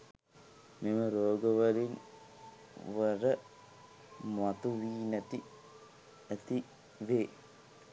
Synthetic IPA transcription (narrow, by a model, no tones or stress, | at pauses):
meməɾoːɡəʋɐlin | ʋərə | mat̪uʋiːnɐt̪i | æt̪i | ʋeː